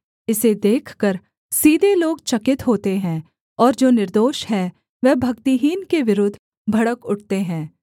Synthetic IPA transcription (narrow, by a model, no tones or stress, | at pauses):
ɪsed̪eːkʰkəɾ | siːd̪ʱeloːɡt͡ʃɐkɪt̪ɦoːt̪eɦɛ̃ː | ɔːɾd͡ʒoːnɪɾd̪oːʃɦɛ̃ | ʋɛbʱɐkt̪iɦiːnkeʋɪɾʊd̪ʱ | bʱɐɽəkʊʈ̚t̪eɦɛ̃ː